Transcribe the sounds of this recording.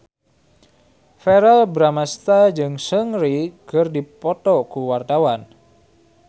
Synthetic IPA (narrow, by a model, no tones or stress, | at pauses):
fɛɾɛlbɾamast̪ad͡ʒɨŋsəŋɾikərdipɔt̪ɔkuwart̪awan